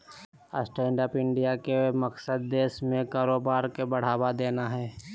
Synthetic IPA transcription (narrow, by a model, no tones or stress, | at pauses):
ə̰sʈɛ̃ːɳɖaːpɪ̃ɳɖijakemɐksəd̪̚ːeːʃmẽkaːɾoːbaːɾkebɐɽ̤aːwad̪eːnaɦɛː